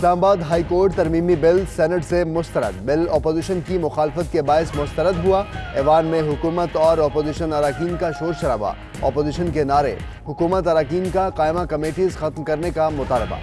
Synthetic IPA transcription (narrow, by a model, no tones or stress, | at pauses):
ɪslaːmabaːd̪ɦaːikoːɾʈt̪ɐɾmiːmibɪlsɛːnəʈsemʊst̪əɾə̰d̪bɪlɔːpoːziʃənkimʊxaːlɪfət̪kebaːɪsmʊst̪əɾəd̪ɦuaɛːʋaːnmẽɦʊkuːmət̪ɔːɾɔːpoːziʃənɐɾaːkiːnkaʃoːɾʃɐɾaːba̰ | ɔ̰ːpoːziʃənkenaːɾḛ | hʊkuːmət̪̬ɐɾaːkiːnkaqaːɪmakɐmeːʈiːzxɐt̪mkɐɾnekamʊt̪aːlɪba̰ː